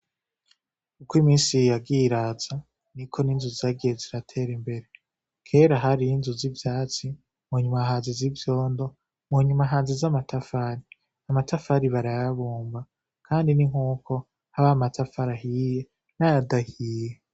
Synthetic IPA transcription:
ukwimiːnsijaɡiɾaza | nikʰo̞ninzuzaɡeziɾatʰe̞ɾimbe̞ɾe | kʰe̞ːɾaɦaɾijinzuzivjaːt͡si | muːɲumaɦaːnzezivjo̞ːndo̞ | muɲumaɦaːnzezamatʰafaɾi | amatafaɾiβaɾajaβuːmba | kʰaːndiniŋ̥huːko̞ | haβamatafaɾaɦiːje | najadahiːje

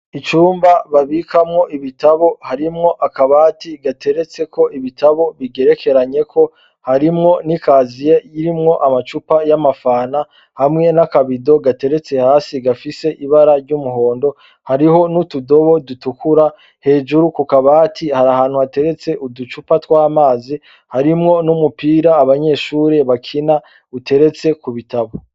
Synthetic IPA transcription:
it͡ʃuːmbaβaβikʰamŋo̞ʔiβitaβo̞haɾimŋo̞ʔakaβaːtiɡate̞ɾe̞t͡se̞ko̞iβitaβo̞βiɡe̞ɾe̞ke̞ɾaɲe̞kʰo̞ | haɾimŋo̞nikaːzije̞jiɾimŋo̞ʔamat͡ʃupajamafaːna | hamŋe̞nakaβido̞ɡate̞ɾe̞t͡se̞haːsiɡafise̞ʔiβaɾaɾɟumuɦo̞ːndo̞ | haɾiɦo̞nutudo̞βo̞dutukʰuɾa | he̞ːd͡ʒuɾukukaβaːtʰihaɾahaːn̥huhate̞ɾe̞t͡se̞ʔudut͡ʃupatwaːmaːzi | haɾimŋo̞numupiːɾaːβaɲe̞ːʃuːɾe̞βakʰina | ute̞ɾe̞t͡se̞kuβitaβo

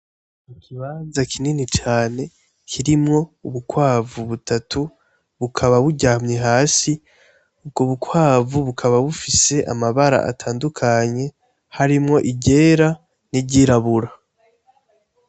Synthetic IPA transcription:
mukʰiβaːnzakʰininit͡ʃaːne̞ | kʰiɾimŋo̞uβukwaːvuβutatʰu | βukʰaβaβuɟaːmɲeɦaːsi | ub̚ɡoβukwaːvuβukʰaβaβufise̞ʔa̰maβaɾa̰ʔa̰tʰaːndukʰaɲe̞ | haɾimŋo̞ʔiɟe̞ːɾa | niɟiɾaβuɾa

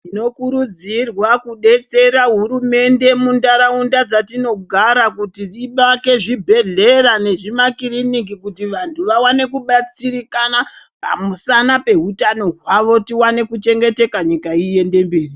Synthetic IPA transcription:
tino̞kuɾud͡zirwakuɗe̞t͡se̞ɾaɦuɾume̞nde̞mundaɾaundad͡zatino̞ɡʱaɾakutiiɓake̞ʐibʱe̞ɮe̞ɾane̞ʐimakiɾinik̬ikutiʋantʰuʋawane̞kuɓat͡siɾikanapa̰musanape̞ɦutano̞ɦwaʋo̞tiwane̞kut͡ʃe̞ŋɡe̞te̞kaɲikaije̞nde̞mbiːri

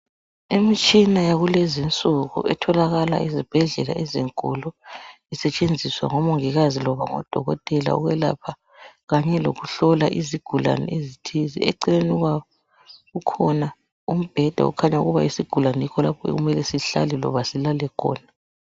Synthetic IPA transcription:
emit͡ʃʼinajaɣulezint͡sʼuɣṵʔɛtʰɔlaɣala̰izib̥ʱɛɮɛla̰ʔɛziŋkʼɔlɔ | isɛt͡ʃʼend͡zʱiswa̰ŋɔmoŋiɣazilɔβaŋɔ̰d̥ʱɔɣɔ̰tʼɛla̰ṵɣwɛla̰pʰa | ɣaɲɛlo̰ɣuɬɔlaʔiziɡ̥ʱula̰nɛ̰ezitʰizḭɛǀileniɣwaβɔ | ɣukʰɔna | um̩b̥ʱɛd̥ʱa̰ṵkʰaɲauɣuβa̰isiɡ̥ʱulanikʰɔlapʰɔḛɣumɛlɛsiɬa̰lɛlɔ̰βasilalɛkʰɔ̰ːna

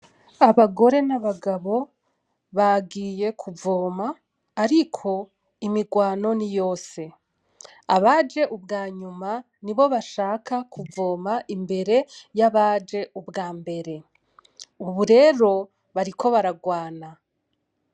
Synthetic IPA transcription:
aβaɡo̞ɾe̞naβaɡaβo̞ | βaɡiːje̞kʰuvo̞ːmaː | ɾikʰo̞ | imiɡwaːno̞nijo̞ːse̞ | a̰βaːd͡ʒe̞ʔubɡaːɲuma | niβo̞βaʃaːkakʰuvo̞ːmaʔimbe̞ɾe̞jaβaːd͡ʒe̞ubɡaːmbe̞ɾe̞ | uβuɾe̞ːɾo̞ | βaɾikʰo̞βaɾaɡwaːna

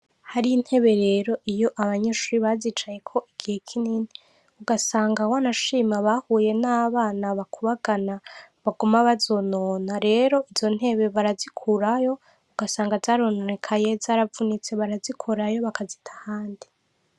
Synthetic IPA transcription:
haɾiin̥he̞βe̞ɾe̞ːɾo̞ʔijo̞ʔaβaɲeːʃuɾiβazit͡ʃaje̞kʰo̞ʔiɡ̥ihe̞kʰiniːni | uɡasaːŋɡawanaʃiːmaβahuːje̞naːβaːnaβakʰuβaɡanaβaɡumaβazo̞noːnaɾe̞ːɾo̞ʔiz̥o̞n̥e̞βe̞βaɾazikʰuɾajo̞ | uɡ̥asaːŋɡazaːɾonoɾekʰaje̞zaːɾavunit͡se̞βaɾazikʰoɾajo̞βakʰazitʰḁhaːndi

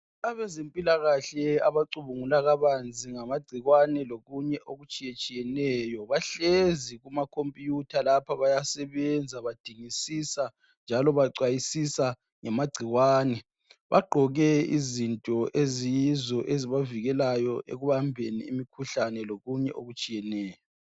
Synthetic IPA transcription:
aβɛzempʼilaɣaɬɛaβaǀuβuŋulaɣaβand͡zʱiŋamaɡ͡ǀʱiɣwanɛloɣuɲɛʔoɣut͡ʃʼijet͡ʃʼijɛnɛːjɔβaɬeziɣumakʰompʼijutʰalapʰaβajasɛβɛnd͡zʱaβad̥ʱiŋisisa | nd͡ʒʱalɔβaǀwajisisa | ŋamaɡ͡ǀʱiɣwaːnɛ | βaɡ͡ǃʱɔɣɛizintʼɔʔezijizɔʔeziβaviɣɛlajɔʔḛɣuβambʱenḭːḭmikʰuɬanɛloɣuɲɛʔoɣut͡ʃʼijɛnɛːjɔ

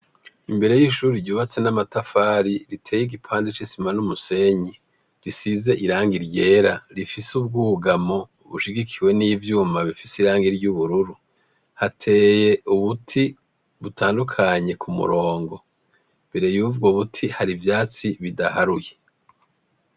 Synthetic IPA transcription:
imbe̞ɾe̞jiːʃuːɾiɾɟuːβat͡se̞namatafaːɾiɾitʰe̞ːjiɡipʰaːndet͡ʃisimanumuse̞ɲi | ɾisize̞ʔiɾaːŋɡiɾje̞ːɾaɾifisub̚ɡuːɡamo̞ | βuʃiɡikʰiwe̞nivjuːmaβifisiɾaːŋɡiɾɟuβuɾuɾu | hatʰe̞ːje̞uβutʰi | βutʰaːndukʰaɲe̞kʰumṵɾo̞ːŋɡo̞ | mbe̞ɾe̞juvɡoβutʰihaɾivjaːt͡siβidahaɾuje̞

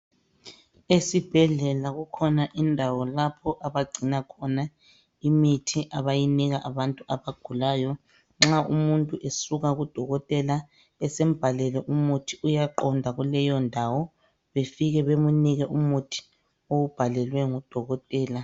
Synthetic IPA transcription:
esib̥ʱɛɮɛlaɣukʰɔnaʔindʱawɔlapʰɔʔaβaɡ͡ǀʱinakʰɔna | imitʰiʔaβajiniɣaʔaβantʼuaβaɡ̥ʱulaːjɔ | ŋ͡ǁaʔumuntʼuʔesuɣaɣud̥ʱɔɣɔtʼɛla | ɛsem̩b̥ʱalɛlɛʔumutʰi̥ujaǃɔndʱaɣulɛjɔndʱawɔ | βefiɣɛβemuniɣɛʔumutʰi̥ | oub̥ʱalɛlwɛŋud̥ʱɔɣɔtʼɛːla

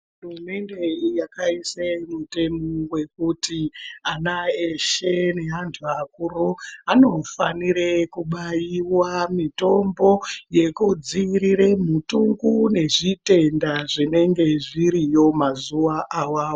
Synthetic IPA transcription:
ɦurume̞nde̞jakaisemute̞mowe̞kutianaeʃene̞ɦantʰuakuɾoano̞faniɾekuɓajiwamito̞mbo̞je̞kud͡ziɾiremutuŋɡune̞ʐite̞ndaʐine̞ŋɡe̞ʐiɾijo̞mazuʋaʔawaːwo

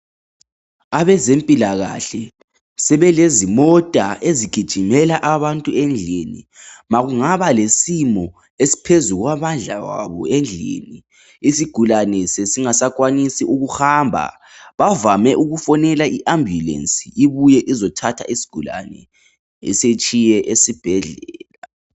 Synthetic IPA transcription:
aβɛzempʼilaɣa̰ɬɛ | sɛβɛlezimɔtʼaeziɡ̥ʱid̥ʒ̥ʱimɛlaʔaβantʼuɛnd͡ɮʱenḭmaɣuŋaβalesimɔ | esi̥pʰezuɣwaβand͡ɮʱa̰wa̰βɔ̰ɛnd͡ɮʱḛni | isiɡ̥ʱulanɛsesiŋasak̬ʼwanisiʔuɣuhambʱa̰ | βavamɛʔuɣufɔnɛlaiʔambʱjulḛnsiiβujɛʔizɔtʰatʰa̰isi̥ɡ̥ʱula̰nɛ̰ | ɛ̰set͡ʃʼijɛʔesib̥ʱɛɮɛːla

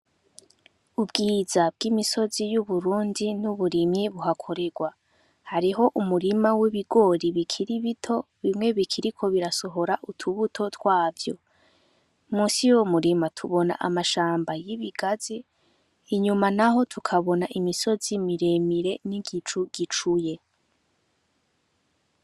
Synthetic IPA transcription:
ubɡiːzabɡ̥imiso̞zijuβuɾuːndinuβuɾimɲiβuɦakʰo̞ɾe̞ɡwa | haɾiɦo̞ʔumuɾimawiβiɡo̞ɾiβikʰiɾiβitʰo̞ | βimŋe̞βikʰiɾikʰo̞βiɾaso̞ɦo̞ɾaʔutʰuβutʰo̞twaːvjo̞̰ | muːsijomuɾimatʰuβo̞na̰ʔa̰maʃaːmbajiβiɡaziː | ɲumanaɦo̞tʰukʰaβo̞naʔimiso̞zimiɾemiɾe̞niɡit͡ʃuɡ̥it͡ʃuje̞

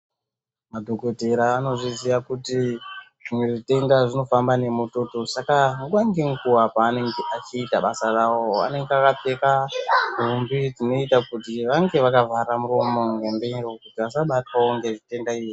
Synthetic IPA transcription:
madʱo̞ko̞te̞ɾaːno̞ʐiziʋakuti | ʐimweʐite̞ndaʐino̞fambane̞mutotosakaŋɡuaŋɡeŋkuwapaːne̞ŋɡeʔat͡ʃiːtaɓasarawoa̰ne̞ŋɡeakap͡fe̞kadʱumbitino̞itakutiʋaŋɡe̞ʋakavaɾamuro̞mo̞ŋɡemberokutiʋasaɓatwaoŋɡe̞ʐite̞ndaiji

